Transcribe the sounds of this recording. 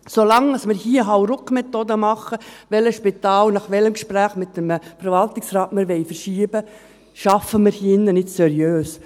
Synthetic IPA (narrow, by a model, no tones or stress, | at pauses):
solɑŋɑsmɪɾhiːəɦawɾʊkmɛt̪oːd̪əmɑχəʋɛləʃpɪt̪ɑːlnɑχʋɛləmkʃpɾæːχmɪt̚d̥əmfəɾvɑlt̪ɪksɾɑːtmɪɾʋɛɪfəɾʃiːəbə | ʃɑfəmɪɾhiɪnːənɪtsɛɾjøːs